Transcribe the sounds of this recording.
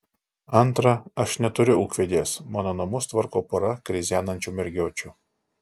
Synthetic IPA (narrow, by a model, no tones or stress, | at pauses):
ɐnˑt̪ɾɐɐʃnʲɛt̪ʊɾʲʊʊkʋʲɛd̪ʲeːsmɑːnoːnɐmʊst̪ʋɐɾkoːpoɾɐkɾʲɪzʲæːnɐnʲt͡ʃʲuːmʲɛɾʲɡʲoːt͡ʃʲʊ